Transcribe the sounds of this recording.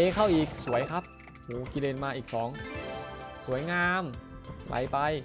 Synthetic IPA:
eː˨˧˥kʰa˥˩wʔiː˨˩k̚su˩˦əjkʰa˦˥p̚ | huː˨˩ki˧leː˧˩nmaː˧ʔiː˨˩k̚sɔː˩˦ŋ | su˩˦ɐjŋaː˧mwa̰˨˦jpa˧j

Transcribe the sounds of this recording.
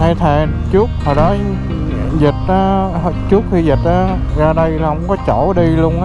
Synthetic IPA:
ha˧jt̪ʰɛ˨˩ | t͡ɕu˦˥k͡p̪̚ʰɔ˨˩ɗɔ˨˦ | zi˨˩t̚ʔaː˨˦ɦt͡ɕu˦˥t̚xi˧zi˨˩t̚ʔaː˨˦ | zaː˧ɗə˧jlaː˨˩hə̰˧˦wŋ͡mkɔ˨˦t͡ɕo˧˩ɗi˧lu˧əŋʔa˨˦

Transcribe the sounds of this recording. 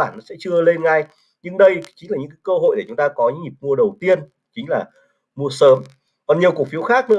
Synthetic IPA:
aː˧˩nːɔ˨˦sɛ̰˧˥t͡ɕɨ˧əle˧nŋa˧j | ɲɨ˧ŋɗə˧jt͡ɕï˨˦laː˨˩ɲɨ̰˧˥kːaː˨˦kəː˧ɦo̰˧˨jɗe˧˩t͡ɕʊ˨˦ŋ͡mt̪aː˧kɔ˨˦ɲɨ̰˧˥ŋi˨˩p̚mu˧əɗə˨˩wt̪i˧ən | t͡ɕï˨˦ŋ̟laː˨˩ | mu˧əsəː˨˦m | kɔ˨˩nɲi˨˩əku˨˩ək̚fi˨˦əwxaː˦˥k̚nɨ̰˧˥ə

